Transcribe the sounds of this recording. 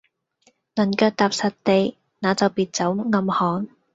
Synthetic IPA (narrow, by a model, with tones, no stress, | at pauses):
nɐ˨˩nkœː˧k̚t̪aː˨p̚sɐ˨t̚t̪e˨j | naː˨˧t͡sɐ˨wpiː˨t̚t͡sɐ˨˥wŋɐ˧mhɔː˨˥n